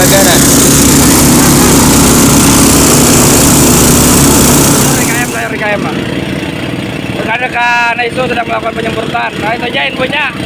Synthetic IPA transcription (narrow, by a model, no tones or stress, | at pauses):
aɡaɾan | ikajamsajaɾikajama | bəkadakanait̪us̬ədaŋməlakukanpəɲəŋbərt̪ankait̪uɲaɪnpuɲa